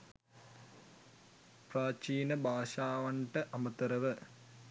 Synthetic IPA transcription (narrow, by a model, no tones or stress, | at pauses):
praːt͡ʃiːnɐbʱaːʂaːʋɐɳʈɐʔɐmɐt̪ɐɾɐʋə